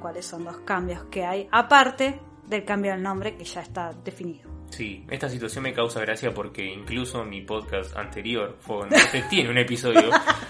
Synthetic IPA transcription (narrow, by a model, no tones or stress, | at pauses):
kwalesːo̞nd̪oskambjo̞skeajapaɾt̪e | ðelkambjoelnõmbɾe̞keʒ̥aest̪aðefiniðosiʔḛst̪as̬it̪wasjo̞nme̞kawsaɣɾasjapo̞ɾkeiŋkluso̞mipoðkast̪a̰nt̪e̞ɾjo̞ɾfent̪oset̪jeneunepisoðjo